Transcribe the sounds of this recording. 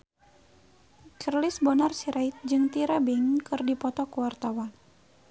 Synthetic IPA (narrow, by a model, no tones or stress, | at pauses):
t͡ʃərlisbɔnarsiɾʔait̪̚d͡ʒɨŋt̪iɾabiŋkɨrdipɔt̪ɔkuwart̪awan